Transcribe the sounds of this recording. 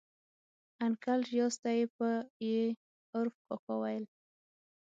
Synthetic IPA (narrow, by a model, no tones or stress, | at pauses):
ankalʒjost̪ajepəje | ʊɾfkɔkawajl